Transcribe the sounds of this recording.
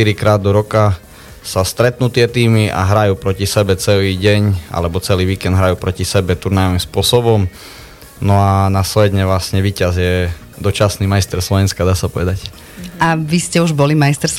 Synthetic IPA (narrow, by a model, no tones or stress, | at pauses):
iɾikɾaːd̪ːɔɾɔka | sast̪ɾɛt̪nuːt̪ɪɛt̪iːmiʔa̰ɦɾajuːpɾɔcisɛbɛt͡sɛliːɟɛɲʔa̰lɛbɔt͡sɛliːʋiːkɛnd̪ɦɾajuːpɾɔcisɛbɛt̪uɾnajɔʋimspʊɔsɔbɔm | nɔanaslɛd̪ɲɛʋlasɲɛʋiːcazjɛ | d̪ɔt͡ʃasniːmajst̪ɛɾslɔʋɛnskad̪aːsapɔʋɛd̪ac | ʔaʋiscɛuʒbɔlimajst̪ɛɾ